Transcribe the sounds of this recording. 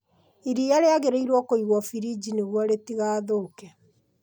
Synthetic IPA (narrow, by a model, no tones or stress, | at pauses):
iɾijaɾeaɣeɾeiɾwɔkoiɣwɔfiɾid͡ʒineɣwɔɾetiɣaːðokɛ